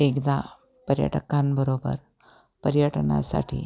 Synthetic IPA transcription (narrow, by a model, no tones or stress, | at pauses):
ekd̪a | pəɾjə̰ʈəkambəɾobə̰ɾ | pəɾjəʈna̰sa̰ʈʰḭː